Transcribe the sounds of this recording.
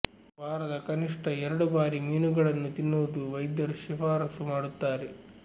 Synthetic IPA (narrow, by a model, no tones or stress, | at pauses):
bʱaːɾɐd̪ɐkɐniʂʈʰɐɛɾɐɽubaːɾimiːnuɡɐɭɐnːut̪inːuːd̪uʋɐjd̪jɐɾuʃifʰaːɾɐsumaːɽut̪ːaːɾe